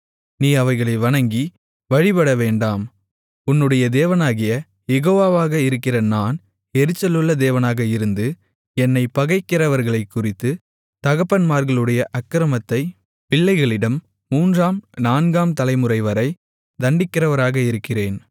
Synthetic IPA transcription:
niːɐʋɐɪɣɐɭɐɪʋɐɳɐŋɡi | ʋɐɻɪpɐɽɐʋeːɳɖaːm | ʊnːɯɽɐjɐd̪eːʋɐnaːɣɪjɐ | jɛɣoːʋaːʋaːɣɐɪɾɯkːɪrɐnaːn | ɛɾɯt͡ʃːɐlɯɭːɐd̪eːʋɐnaːɣɐɪɾɯnd̪ɯ | ɛnːɐɪpɐɣɐɪkːɪɾɐʋɐɾɣɐɭɐɪkːʊrɪt̪ːɯ | t̪ɐɣɐpːɐnmaːɾɣɐɭɯɽɐjɐʔɐkːɪɾɐmɐt̪ːɐɪ | pɪɭːɐɪɣɐɭɪɽɐmː | uːndraːmnaːnɡaːmt̪ɐlɐɪmɯrɐɪʋɐɾɐɪ | d̪ɐɳɖɪkːɪrɐʋɐɾaːɣɐɪɾɯkːɪreːn

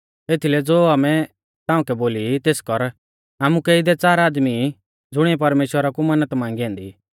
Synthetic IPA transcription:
eːt̪ʰilɛd͡zoːaːmɛ | t̪ãːũkɛboːlit̪eːskɔɾ | aːmukeːid̪ɛt͡saːɾaːd̪mi | d͡zʊɽ̃iɛp̬ɐɾmeːʃwəɾakumɐnət̪mãːŋɡiɛ̃ːnd̪i

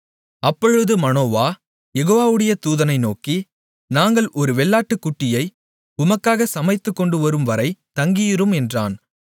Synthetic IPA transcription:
ɐpːɔɻɯðɯmɐnoːʋaː | jɛɣoːʋaːʋɯɽɐjɐt̪uːðɐnɐɪnoːki | naːŋɡɐɭʔɔɾɯʋɛɭːaːʈːɯkːʊʈːɪjɐɪ | ʊmɐkːaːɣɐsɐmɐɪt̪ːɯkːɔɳɖɯʋɐɾɯmʋɐɾɐɪt̪ɐŋɡɪjɪɾɯmɛndra̰ːn

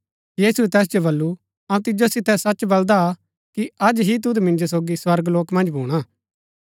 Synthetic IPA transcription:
jiːsuɛt̪ɛːs̬d͡ʒobɐlːu | ɐũt̪ɪd͡ʒosɪt̪ɛsɐt͡ʃbɐld̪a | kiɐd͡ʒɦit̪̬ʊd̪mɪ̃nd͡ʒosoːɡiswɐɾɡloːkmɐ̃nd͡ʒbʱuːɽ̃aː

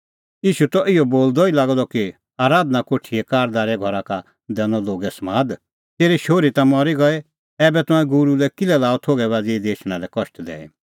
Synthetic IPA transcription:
jiːʃut̪ɔʔɪɔboːld̪ɔilaːɡd̪ɔki | aːɾaːd̪nakoːʈʰiɛkaːɾd̪aːɾɛɡʱɔɾaka | d̪ɛːnɔloːɡɛsmaːd̪ | t̪eːɾiʃoːɾit̪amɔɾiɡɔɛ | ɛːbɛt̪ʊ̃ɛ̃ɡʊɾulɛkɪlɛlaːɔt̪ʰoːɡɛbaːd͡zid̪eːʃɽ̃alɛkɔʃʈd̪ɛ̰ːɛ̰

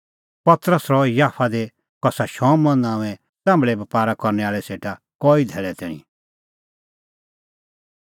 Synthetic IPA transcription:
pɐt̪ɾəsɾɔjaːpʰad̪e | kɔsaʃɔ̃ːmːɐ̃nãːũɛ̃ | t͡sãːmbɭɛbɐpaːɾakɔɾnɛaːɭɛseːʈa | kɔːid̪ʱɛːɭɛt̪ɛ̰ːɽ̃ḭ̃

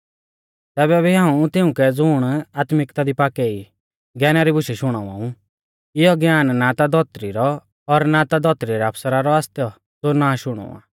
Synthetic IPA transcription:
t̪ɛːbɛbiɦãːũt̪ɪũkɛd͡zʊɽ̃aːt̪mɪkt̪ad̪ipaːkɛi | ɡɛːnaɾibʊʃɛʃʊɽ̃aʋa̰ũ | ɪɔɡjaːnnat̪ad̪ɔt̪ɾiɾɔː | ɾnat̪ad̪ɔt̪ɾiɾɛɐpʰsəɾaɾɔaːst̪jɔ | d͡zoːnaːʃʊɽ̃ɔ̰ːa̰ː

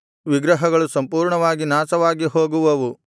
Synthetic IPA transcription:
ʋiɡɾɐɦɐɡɐɭusɐmpuːɾɳɐʋaːɡinaːsɐʋaːɡiɦoːɡuʋɐʋu

